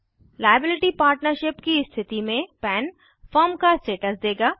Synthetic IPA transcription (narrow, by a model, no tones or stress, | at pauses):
laːjəbɪlɪʈipaːɾʈnəɾʃɪpkiɪst̪ʰɪt̪imẽpɛːn | fəːɾmkaɪsʈeːʈəsd̪eːɡaː